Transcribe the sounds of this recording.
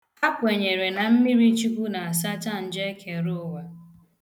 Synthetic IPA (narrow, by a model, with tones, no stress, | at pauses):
a˦pʊ˨e˨ɲe˨ɾe˨na˨m̩˦mi˦ɾi˦t͡ʃi˦kʷu˦na˨a˨sa˦ta˦˨n̩˨d͡ʒe˦ke˨ɾʊ˦wa˦